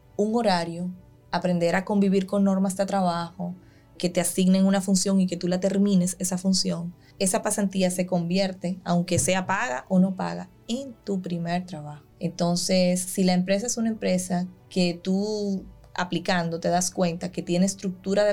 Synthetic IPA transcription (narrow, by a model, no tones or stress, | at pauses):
uŋo̞ɾaɾjo̞ | apɾe̞nd̪e̞ɾako̞mbiβiɾko̞ŋno̞ɾmasd̪et̪ɾaβ̞axo̞ | ke̞t̪e̞asiɡneŋunafunsjo̞ŋike̞t̪ulat̪e̞ɾmĩne̞se̞safunsjo̞ŋ | e̞sapasant̪iase̞ko̞mbje̞ɾt̪e̞awŋke̞se̞apaɣa̰ʔono̞pa̰ɣa̰ | ent̪upɾime̞ɾt̪ɾaβahoe̞nt̪o̞nse̞sːilaempɾe̞s̬aesunae̞mpɾe̞sake̞t̪u | a̰plikand̪o̞t̪e̞ðaskwe̞nt̪ake̞t̪je̞neːst̪ɾuk̚t̪uɾaðe